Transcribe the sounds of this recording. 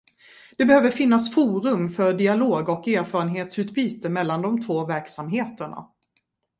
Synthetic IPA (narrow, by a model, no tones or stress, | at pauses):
d̪̥ɛbɛhøːvəɾfɪnːasfuːɾɵmfœɾɖɪaloːɡɔkeːɾfɑːɾənɦeːt̪sʉ̟ːt̪byːt̪əmɛlːand̪ɔmt̪ʰvoːvæɾksamɦeːt̪əɳa̰